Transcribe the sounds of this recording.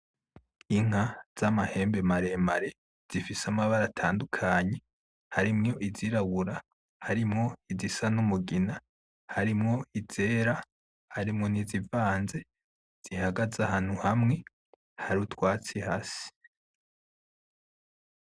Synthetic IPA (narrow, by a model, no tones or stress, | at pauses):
iŋ̥az̥amahe̞ːmbe̞maɾemaɾe̞ | z̥ifisamaβaɾatʰaːndukʰaːɲe̞ | haɾimŋo̞ʔiziɾaβuɾa | haɾimŋo̞izisanumuɡina | haɾimŋo̞iz̥eːɾa | haɾimŋo̞nizivaːnze̞ | z̥ihaɡazahaːn̥huhamŋe̞ | haɾutwaːt͡sihaːsi̥